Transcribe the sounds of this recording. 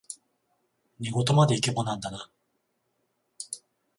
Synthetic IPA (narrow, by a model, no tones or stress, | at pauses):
ɲ̟iɡo̞t̪o̞mad̪e̞ikebonãnd̪ana